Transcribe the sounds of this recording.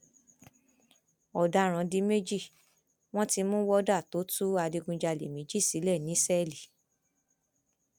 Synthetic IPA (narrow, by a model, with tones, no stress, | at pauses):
ɔ˨da˧˦ɾ̃ã˨˧di˨˦me˦d͡ʒi˦˨ | w̃ɔ̃˦ti˧mũ˦wɔ˦da˦˨to˨˦tu˦a˧di˧ɡũ˧d͡ʒa˧lḛ˨mĩ˨˦d͡ʒi˦˨si˨˦lɛ˦˨nĩ˨˦sɛ˦˨li˨